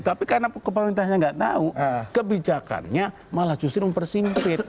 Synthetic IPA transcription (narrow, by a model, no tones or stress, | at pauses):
t̪apikaɾənapkəp̬əɾint̪̬aɦɲaŋɡaʔt̪a̰ukəbid͡ʒaka̰nɲa | malaht͡ʃust̪ɪrməmpərsimpɪt̪̚